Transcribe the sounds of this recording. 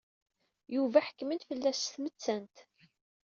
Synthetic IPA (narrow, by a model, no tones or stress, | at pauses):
juvæħə̥kːmənt̪fəlːæsθmət͡sːænt̪